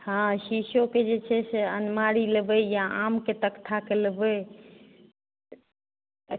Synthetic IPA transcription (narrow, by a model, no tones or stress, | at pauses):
hãʃiʃoked͡ʒet͡ʃʰɛseənmaɾilebəjaamket̪əkt̪ʰakelebə